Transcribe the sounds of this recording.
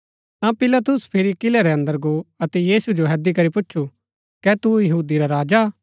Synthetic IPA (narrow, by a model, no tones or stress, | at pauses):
t̪ãpɪlat̪ʊspʰɪɾikɪlɛɾɛɐ̃nd̪əɾɡoɐt̪ɛjiːsud͡ʒoɦɛd̪ikɐɾipʊt͡ʃːʃʰu | kɛt̪ujɐɦuːd̪iɾaɾaːd͡ʒa